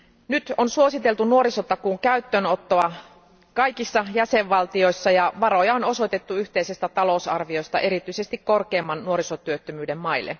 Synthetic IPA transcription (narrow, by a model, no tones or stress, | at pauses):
nyt̪onsuo̞sit̪elt̪unuo̞ɾiso̞t̪ːɑkuŋkæyt̪ːønot̪ːoɑ | kɑjkisːɑjæseʋːɑlt̪io̞jsːɑjɑʋɑɾo̞jɑono̞so̞jt̪et̪ːuyçt̪e̞jse̞st̪æt̪ɑlo̞usɑrʋio̞jst̪ɑ̰ʔe̞ɾit̪yise̞st̪ikko̞rkeːmːɑnːuo̞ɾisot̪yøt̪ːømyːde̞mmɑilːe̞̰